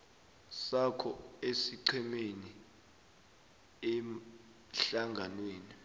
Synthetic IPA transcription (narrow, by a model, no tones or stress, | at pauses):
sakʰɔesiǀʰɛmeni | ɛm | ɬaŋɡʱanweːni